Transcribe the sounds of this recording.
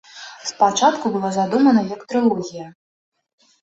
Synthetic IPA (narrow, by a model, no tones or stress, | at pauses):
spat͡ʂat̪kubɨlˠazad̪umɐnɐjɐkt̪ɾɨlˠɔɣʲijɐ